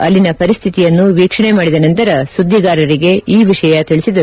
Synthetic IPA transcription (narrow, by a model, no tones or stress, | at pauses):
ɐlːinɐpɐɾist̪ʰit̪ijɐnːuʋiːkʂɐɳemaːɽid̪ɐnɐnt̪ɐɾɐsud̪ʱːiɡaːɾɐɾiɡe̞iːʋiʂɐjɐt̪iɭisid̪ɐu